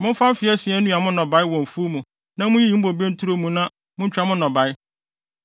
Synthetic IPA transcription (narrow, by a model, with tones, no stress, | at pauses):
mʊ̃˦m̩˦fã˦m̩˦fɪ˨˦ɛ˦sɪ˨˦ɛ˦nũ˦a˨mʊ̃˦nɔ̃˨ba˨˦ɪ˦wɔ̃˨m˨fu˦o˦mũ˨ | nã˦mʊ̃˦ji˦jĩ˨˦m̩˦bo˨be˦n̩˦tʰu˦ɾo˦mũ˨nã˦ | mʊ̃˦ɲ̩˦t͡ɕᶣa˨˦mʊ̃˦nːɔ̃˨ba˨ɪ˦